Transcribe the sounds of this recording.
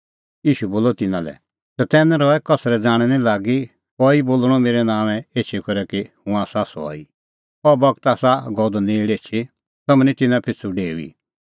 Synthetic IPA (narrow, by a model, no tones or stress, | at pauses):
jiːʃuboːlɔt̪ɪnãlɛ̰ | t̪ɛt̪ɛːnɛ̃ɾɔɛkɐsɾɛd͡zaːɽ̃ɛnĩlaːɡi | kɔiboːlɽ̃ɔmeːɾɛnãːʋɛ̃eːt͡ʃʰikɔɾɛkihũaːsasɔ̰i | ɔbɐɡt̪aːsaɡɔd̪ɔnẽɪɽeːt͡ʃʰi | t̪ɐmnĩt̪ɪnãpʰɪt͡sʰuɖeːuḭː